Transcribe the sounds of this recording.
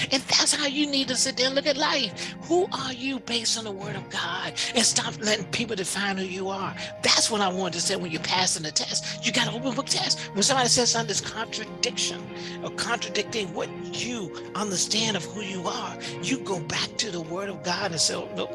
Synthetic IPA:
ɨ̃nðætshaʊjɨnid̚tɨsɪt̚d̥ãʊ̃nlʊkɨtˡlaɪfhuʔə˞jɨbeɪstn̩ðəwɜ˞ɾʌvɡɑdɨ̃nstɑplɛɾɪ̃ŋpʰipl̩ˠtɨfãɪ̃nd̚hʉjɨə˞ðætswʌɾaɪwɑ̃ñtɨseɪwə̃njə˞pʰæsɨ̃n̩ðɨtʰɛstɨɡɑɾəoʊpɨ̃n̩bʊk̚tʰɛs | wə̃nsʌ̃mbɑɾisɛ̃sʌ̃ðɪskʰɑ̃ntɹ̥ɨdɪkʃɨ̰̃n | əkʰɑ̃ntɹ̥ɨdɪk̚tɪ̃ŋwʌt͡ʃ | ɨ | ʌ̃ndə˞stæ̃ndʌv̥hujɨə˞jɨɡoʊbæk̚tʰɨðəwɜ˞ɾʌvɡɑɾɨ̃nsɛ̰ɪno̰

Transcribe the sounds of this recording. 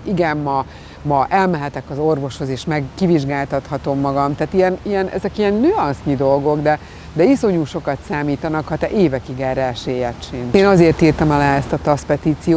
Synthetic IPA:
iɡɛmːɒ | mɒʔɛlmɛɦɛt̪ɛkɒzo̞rvo̞ʃho̞zeːʃmɛɡːiviʒɡaːlt̪ɒt̪hɒt̪o̞mːɒɡɒmt̪aːt̪ijɛnijɛnʔɛ̰zɛkijɛnːøːɒnsɲid̪o̞lɡo̞ɡd̪ɛ | d̪ɛiso̞ɲuːʃo̞kɒt̪saːmiːt̪ɒnɒkhɒt̪ɛʔeːvɛkiɡɛrɛɛʃeːjɛt̪t͡ʃineːnɒzeːrt̪iːrt̪ɒmɒlaːɛst̪ɒt̪ɒspɛt̪iːt̪sijoː

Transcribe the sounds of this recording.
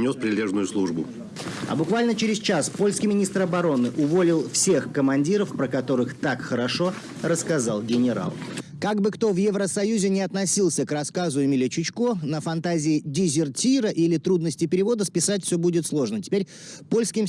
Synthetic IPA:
nʲospɾʲɪlʲeʐnʊjʊslˠuʐbʊ̰ | ɐ̰bʊkvalʲnət͡ɕɪɾʲɪst͡ɕaspo̞lʲskʲɪjmʲɪnʲist̪ɾɐbɐɾo̞nɨʔʊvo̞lʲɪlˠfsʲexkəmɐnʲdʲiɾəfpɾəkɐt̪o̞ɾɨxt̪akxəɾɐʂo̞ | rəskɐzalˠɡʲɪnʲɪɾa̰lˠkaɡbɨkt̪o̞vjɛvɾəsɐjuzʲɪnʲɪɐt̪nɐsʲilˠsʲəkrɐskazʊɪmʲilʲɪt͡ɕɪt͡ɕkonəfɐnt̪azʲɪɪdʲɪzʲɪrtʲiɾəʔilʲɪt̪ɾud̪nəsʲtʲɪpʲɪɾʲɪvo̞d̪əspʲɪsatʲfʲsʲobudʲɪt̪slˠo̞ʐnətʲɪ̥pʲeɾʲ | po̞lʲskʲɪm

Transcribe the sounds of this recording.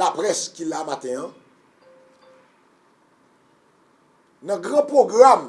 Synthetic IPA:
apʁɛskilamat̪ɛ̃ã | nɐ̃ɡʁãpʁoɡʁam

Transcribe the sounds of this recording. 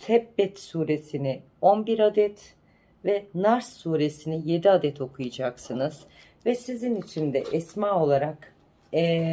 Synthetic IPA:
t̪ʰɛbːɛt̪suːɾe̞sinɪ | onbiɾad̪ɛt̪ | vɛnaɾsːuːɾe̞sinije̞d̪iad̪ɛt̪ʰo̞kʰujad͡ʒaksɯnɯz̥ | vɛsizinit͡ʃʰind̪ɛ̰ʔɛsmaːo̞lˠaɾakː

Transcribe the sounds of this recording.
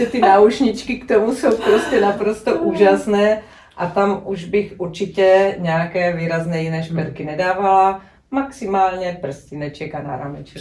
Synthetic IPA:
ɛt̪ɪauʃɲɪt͡ʃkɪkt̪omuso̞wpɾoscɛnapɾost̪oʔuːʒasnɛː | ʔat̪amʔuʒbɪxuɾt͡ʃɪcɛɲɛakɛːviːɾaznɛːjinɛːʃpɛɾkɪnɛdaːvala | maksɪmaːlɲɛpr̩scɪnɛt͡ʃɛkana̰ɾa̰mɛt͡ʃɛ

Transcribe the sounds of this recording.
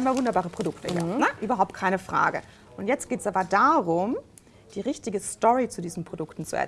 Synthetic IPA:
aɪnmaːlvʊndɐbaːʁəpʁ̥odʊktəjanəʔyːbɐɦaʊptkʰaɪnəfʁ̥a̰ːɡə | ʔʊntjɛt͡stɡ̥eːtɛ̥sʔaːbɐdaːʁʊm | d̥iːʁɪçtɪɡəstɔʁit͡sudiːzn̩pʁ̥odʊktn̩t͡suʔɛ̰ɐ

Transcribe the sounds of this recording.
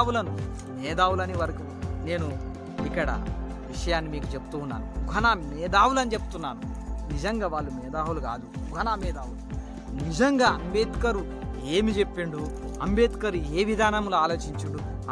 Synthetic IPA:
wulɐnu | mɛːd̪aːwulɐniʋɐɾɐku | ne̞ːnu | ikːɐɽɐ̰ | ʋiʂɐjaːnːimiːkut͡ʃe̞pu̥t̪uːnːa̰ːnuɡʱɐnaːmɛːd̪aːwulɐnit͡ʃe̞pu̥t̪unːaːnunid͡ʒɐŋɡaːʋaːɭːumɛːd̪aːwuluɡa̰ːd̪uɡʱɐnaːmɛːd̪aːwulu | nid͡ʒɐŋɡaːɐmbeːt̪kɐɾu | eːmid͡ʒe̞pːiɳɖuɐmbeːt̪kɐɾueːʋid̪ʱaːnɐmluaːlo̞ːt͡ʃiɲt͡ʃiɳɖu

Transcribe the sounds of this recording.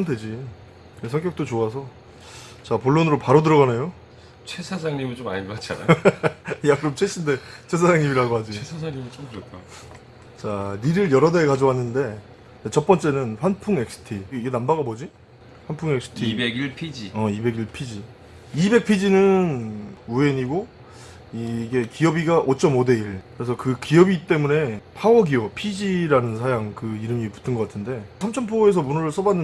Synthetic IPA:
ondwe̞d͡ʑi | esʰʌŋk͈jʌk̚t͈ot͡ɕoasʰʌ | t͡ɕapoɭːonɯɾopaɾodɯɾʌɣanejo | t͡ɕʰesʰad͡ʑaŋɲimint͡ɕomaɲimmat͡ɕʰaa | jakɯɾomt͡ɕʰeɕʰinde̞t͡ɕʰe̞s̬ʰad͡ʑaŋɲimiɾaɡoɦad͡ʑiesʰad͡ʑaŋɲimit͡ɕ͈omtɯɾʌtk͈ʰa | t͡ɕaniɾɯɭjʌɾʌdekad͡ʑʌwanːɯnde̞ | net͡ɕʌp͈ʌnt͡ɕ͈e̞nɯnɸwanpʰuŋe̞k̚s͈ʰɯ̥tʰiiɡenambaɡabod͡ʑi | ɸwanpʰuŋe̞ks͈ʰɯ̥tʰipʰid͡ʑiʌibe̞ɡiɭpʰid͡ʑi | ibe̞k̚pʰid͡ʑinɯnue̞ɲiɡo | iɡe̞kiʌbiɡaʔot͡ɕ͈ʰʌmode̞iɭkɯɾe̞s̬ʰʌkɯkiʌbit͈e̞mune̞pʰawʌɡiʌpʰid͡ʑiɾanɯnsʰajaŋkɯiɾɯmipu̥tʰɯnɡʌk͈atʰɯnde̞sʰamt͡ɕʰʌnpʰoe̞s̬ʰʌmunʌɾɯɭs͈ʌbanːɯ

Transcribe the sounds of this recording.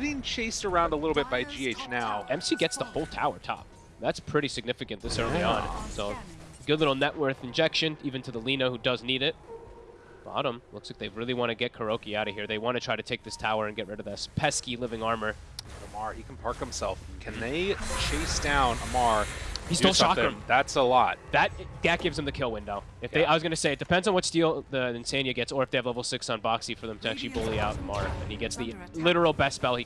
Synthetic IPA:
bĩnt͡ʃʰeɪstə˞ãʊ̃ndəlɪɾl̩ˠbɪt̚b̥aɪd͡ʒieɪt͡ʃnaʊɛ̃msiɡɛtsðəhoʊlˠtʰaʊə˞tʰɑ̰p̚ | ðætspʰɹ̥ɪɾisɨɡ̚nɪfɨkɨ̃nðɪsɜ˞liə̃nsoʊɡɪðɨ̃ɾ̩nɛʔwɜ˞θɨ̃n̩d͡ʒɛkʃɨ̃nivɨ̃ntʰɨðəlĩnohʉdʌzniɾɪt̚ | b̥ɑ̰ɾə̃mlʊkslaɪk̚ðeɪɹɪlˠiwɑ̃ñɨɡɛt̚kʰə˞oʊkiaʊɾɨv̥hiɹðeɪwɑ̃ñɨtʰɹ̥aɪɾɨtʰeɪk̚ðɪstʰaʊə˞ɨ̃nɡɛʔ̚ɹɪɾʌvðɨspʰɛskilɪvɪ̃ŋɑɹmə˞ | əmɑɹikʰn̩pʰɑɹkɨ̃msɛlˠfkʰɨ̃nðeɪt͡ʃʰeɪsd̥ãʊ̃nəmɑɹhisɪlˠʃɑkðætsəlɔt̚ðɨt̚ɡ̥æt̚ɡ̥ɪvz̥ɨ̃mðɨkʰɪlˠwɪ̃ndoʊɨfðeɪaɪwʌzɡʌnɨseɪɨt̚d̥ɨpʰɛ̃ndzn̩wʌtstilˠðəɨ̃nsæ̃njɨɡɛtsə˞ɨfðeɨvlɛvl̩ˠsɪksn̩bɑksifə˞ðɨ̃mtʰɨæk̚t͡ʃʉl̩ˠibʊlˠiaʊɾəmɑɹɨ̃niɡɛtsðilɪɾə˞l̩ˠbɛstːspɛlˠi

